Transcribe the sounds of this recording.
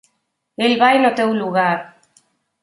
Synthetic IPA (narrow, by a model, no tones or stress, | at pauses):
elβajnot̪ewluɣaɾ